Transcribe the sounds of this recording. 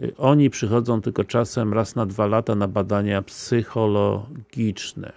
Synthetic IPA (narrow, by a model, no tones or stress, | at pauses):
ʔɔɲipʂɘxɔd̪zɔ̃w̃t̪ɘlkɔt͡ʂasɛmɾasnad̪valat̪anabad̪aɲapsɘxɔlɔɡʲit͡ʂnɛ̰